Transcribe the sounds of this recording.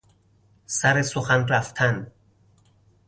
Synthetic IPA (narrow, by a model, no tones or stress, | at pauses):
sæɾesoxænræft̪ʰæn